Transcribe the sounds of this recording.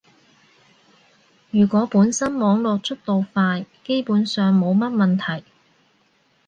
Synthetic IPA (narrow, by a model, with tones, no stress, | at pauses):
jyː˨˩kʷɔː˨˥puː˨˥nsɐ˥nmɔː˨˥ŋlɔː˨k̚t͡ʃʰɵ˥t̚t̪o˨wfaː˧jke˥jpuː˨˥nsœː˨ŋmo˨˧wmɐ˥t̚mɐ˨nt̪ʰɐ˨˩j